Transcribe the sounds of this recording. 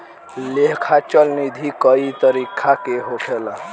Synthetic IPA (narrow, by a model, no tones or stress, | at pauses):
lekʰat͡ʃəlnid̪ʱikəit̪əɾikʰakeɦoʈʰela